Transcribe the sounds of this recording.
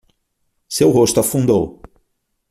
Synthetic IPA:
sewɦost̪ʊafũnd̪o̰w

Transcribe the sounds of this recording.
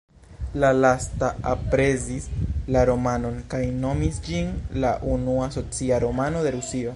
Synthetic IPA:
lalastaʔapɾe̞zislaɾo̞mano̞nkajno̞misd͡ʒinlaʔunuaso̞t͡siaɾo̞mano̞de̞ɾusio̞

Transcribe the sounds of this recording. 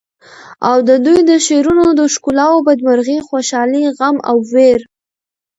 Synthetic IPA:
awd̪əd̪ujd̪əʃeɾunod̪əʃkulɑwobad̪maɾɣixoʃɑliɣama̰wːeɾ

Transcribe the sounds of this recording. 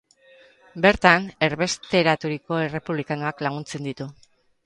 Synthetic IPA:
be̞ɾt̪ane̞ɾβe̞st̪e̞ɾat̪uɾiko̞e̞re̞puβlikano̞aklaɣ̞unt͡se̞nd̪it̪u

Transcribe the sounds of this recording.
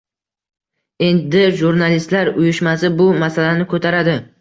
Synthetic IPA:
e̞nd̪ɪʒuɾnalist̪laɾʊjʊʃmas̬ɪbʊmasalanɪkʰot̪ʰaɾad̪ɪ

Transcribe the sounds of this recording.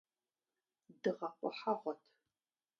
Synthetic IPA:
dɨʁɐqʷʼɔ̰ħaʁʷɔtʰ

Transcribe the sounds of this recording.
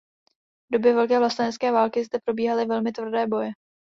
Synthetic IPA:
vdo̞bjɛvɛlkɛːvlast̪anɛskɛːvaːlkɪzd̪ɛpɾo̞biːɦalɪvɛlmɪt̪vr̩dɛːbo̞jɛ

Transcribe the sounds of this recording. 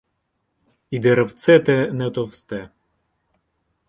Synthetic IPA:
id̪ɛɾɐwt̪sɛt̪ɛnɛt̪ɔwst̪ɛ

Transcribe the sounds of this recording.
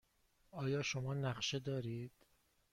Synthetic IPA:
ʔɒːjɒːʃomɒːnæχʃe̞d̪ɒːɾiːd̪̥

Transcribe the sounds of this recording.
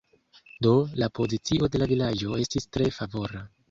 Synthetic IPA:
do̞lapo̞zit͡sio̞de̞lavilad͡ʒo̞e̞stistɾe̞favo̞ɾa

